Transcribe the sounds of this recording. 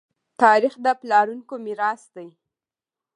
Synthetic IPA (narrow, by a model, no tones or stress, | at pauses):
t̪ɑɾixd̪əplɑɾuŋkomiɾɑsd̪aj